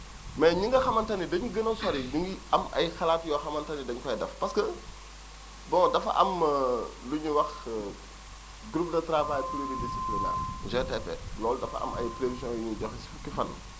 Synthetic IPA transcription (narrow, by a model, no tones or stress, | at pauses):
mɛɲiŋɡɐxɐmɐntɐnidɐɲuɡənɐswɐɾiɲuŋɡiɐmɐ̰jxɐlaːtjɔːxɐmɐntɐnidɐɲkɐjdɐ̰fpɐskə | bɔ̃ŋdɐfɐ̰ʔɐ̰m | luɲuwɐx | ɡɾup̚dɐtɾapakulididisiplinɛ̰ɲd͡ʒɛtɛfɛ̰lɔːldɐfɐ̰ʔɐ̰mɐ̰jtɾedisjɔ̃njuɲuɟɔxsfukːifɐnː